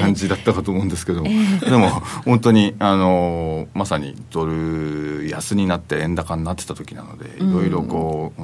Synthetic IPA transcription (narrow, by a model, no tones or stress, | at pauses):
ãɲ̟d͡ʑid̪at̪ːakat̪oːmoɯ̟̃nd̪esɨ̥ke̞d̪o̞moɾemo̞hõnt̪̬o̞ɲ̟iano̞masaɲ̟ḭd̪o̞ɾɯ̟jasɨɲ̟inat̪ːeẽ̞nd̪akãnːat̪ːet̪ḁt̪o̞̥kʲina̰no̞̰d̪e̞̰ḭɾo̞iɾo̞ko̞ː